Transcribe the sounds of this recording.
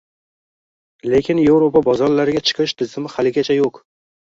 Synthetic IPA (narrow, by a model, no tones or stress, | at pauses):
le̞kʲʰɪnje̞wɾopabɒzɒɾlaɾɪɡʲat͡ʃʰɨ̥qʰɨʃt̪ʰɪzɪmɪhalɪɡʲat͡ʃʰajoq